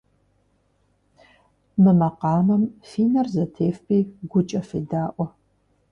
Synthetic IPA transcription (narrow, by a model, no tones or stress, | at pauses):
mɨmɐqɑːmɐmfiːnɐrzɐtʰeːfpʰʼiːɡʷʊt͡ʃʼɐfeːdaːʔʷɔ